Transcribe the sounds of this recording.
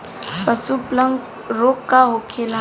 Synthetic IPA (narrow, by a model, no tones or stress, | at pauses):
pəsupləŋɡ | ɾoːkːaɦokʰela